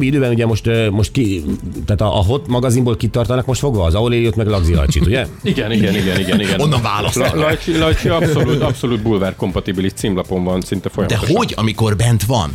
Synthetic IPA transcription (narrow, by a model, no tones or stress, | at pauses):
biid̪øːbɛnuɟɛmo̞ʃt̪mo̞ʃt̪kit̪aːt̪ɒʔːɦo̞t̪mɒɡɒzimboːlkit̪ɒrt̪ɒnɒkmo̞ʃt̪fo̞ɡʋɒːzɒoleːlijot̪mɛɡlɒɡzilɒ̰t͡ʃḭt̪uɟɛiɡɛniɡɛniɡɛniɡɛniɡɛnonːɒɱvaːlɒslɒjt͡ʃilɒjt͡ʃiɒsoluːt̪ɒpso̞luːt̪̚buːlvaːrko̞mpɒt̪ibiliʃt̪siːmlɒpo̞ɱvɒnsint̪ɛfojɒmd̪ɛhoɟɒ̰miko̞rbɛnt̪ʋɒ̰n